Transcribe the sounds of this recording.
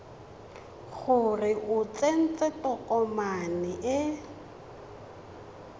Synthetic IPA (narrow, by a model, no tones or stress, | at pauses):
ɣʊrɪʔʊt͡sen̩t͡sʼɛtɔkʼɔmanɪʔɛ